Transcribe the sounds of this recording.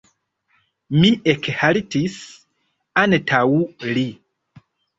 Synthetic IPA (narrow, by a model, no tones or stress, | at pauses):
miʔekhaɾitis | antʰawuli